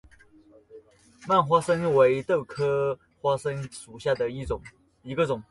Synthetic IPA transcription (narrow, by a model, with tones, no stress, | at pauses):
ma˥˩nxwa˥ʂə˥nwe˧˥ɪt̪ɤ˥˩ʊkʰɤ˥ | xwa˥ʂə˥nʂu˨˩ɕja˥˩d̪ə˩˥˨ | i˧˥ɡə˧ʈ͡ʂʊ˨˩˦ŋ